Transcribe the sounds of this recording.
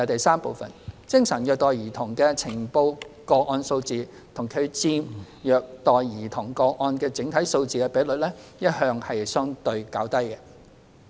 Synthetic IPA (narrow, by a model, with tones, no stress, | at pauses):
jɐ˨˧t̪ɐ˨jsaː˥mpo˨˧wfɐ̰˨nt͡sɪ˥ŋsɐ˨˩njœː˨k̚t̪ɔː˨˩jiː˨˩t̪ʰʊ˨˩ŋkɛː˧t͡sʰɪ˨˩ŋpo˧wkɔː˧ʔɔː˧nso˧wt͡siː˨ | t̪ʰʊ˨˩ŋkʰɵ˨˧ɥt͡siː˥m | jœː˨k̚t̪ɔː˨jjiː˨˩t̪ʰʊ˨˩ŋkɔː˧ʔɔː˧nkɛː˧t͡sɪ˨˥ŋt̪ʰɐ˨˥jso˧wt͡siː˨kɛː˧pe˨˥lɵ˨t̚lɛ˥jɐ˥t̚hœː˧ŋhɐ˨jsœː˥ŋt̪ɵ˧ɥkaː˨˥wt̪ɐ˥jkɛ˧